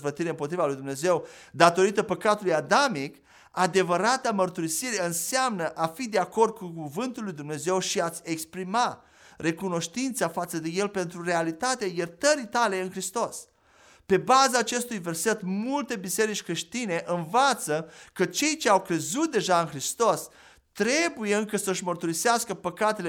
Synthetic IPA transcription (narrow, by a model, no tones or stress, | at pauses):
vət̪iɾeɨmpo̞t̪ɾivalujd̪umne̞ze̞w | d̪at̪o̞ɾit̪əpəkat̪ulujad̪amik | ad̪e̞vəɾat̪amərt̪uɾisiɾeɨnseamnəʔafid̪e̞ako̞rd̪̚kukuvɨnt̪ulːujd̪umne̞ze̞wʃiat̪sʲe̞kspɾima | re̞kuno̞ʃt̪int̪safat̪səd̪e̞je̞lpe̞nt̪ɾure̞alit̪at̪eajert̪əɾit̪ale̞ɨnxɾist̪o̞s | pe̞bazaːt͡ʃe̞st̪ujve̞rse̞t̪mult̪e̞bise̞ɾit͡ʃʲkɾeʃt̪ine̞ʔɨnvat̪səkət͡ʃe̞jt͡ʃe̞awkɾe̞zut̪̚d̪e̞ʒaɨnxɾist̪o̞s | t̪ɾe̞bujeɨŋkəsəɨʃmərt̪uɾiseaskəpəkat̪e̞le